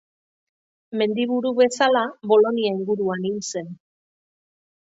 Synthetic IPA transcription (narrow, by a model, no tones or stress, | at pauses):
me̞nd̪iβuɾuβe̞salaβo̞lo̞niaiŋɡuɾuaninse̞n